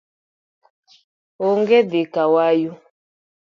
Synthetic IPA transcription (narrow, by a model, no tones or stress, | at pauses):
oŋɡedikawaju